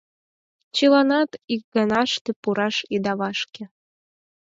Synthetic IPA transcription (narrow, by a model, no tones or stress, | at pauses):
t͡ɕilɑnɑt̪ik̚ɡɑnɑʃt̪ĕpuɾɑʃid̪ɑβɑʃkĕ